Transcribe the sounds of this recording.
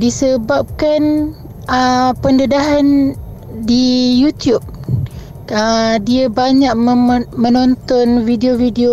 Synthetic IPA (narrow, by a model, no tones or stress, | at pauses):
disəbap̚kan | əpəndədaɦan | dijut̪jup̚ | ədiəbaɲak̚mə̃nɔnt̪ɔnvideovideo